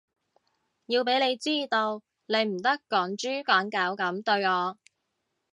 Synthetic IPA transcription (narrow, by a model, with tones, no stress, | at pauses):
jiː˧wpe˨˥jle˨˧jt͡siː˥t̪o˧w | le˨˧jm̩˨˩t̪ɐ˥kːɔː˨˥ŋt͡ʃyː˥kɔː˨˥ŋkaː˨˥wkɐ˨˥mt̪ɵ˧ɥŋɔː˨˧